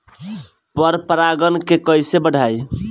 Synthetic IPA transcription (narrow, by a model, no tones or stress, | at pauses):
pəɾpəɾaɡənkekəjsebəɽ̤ʱaj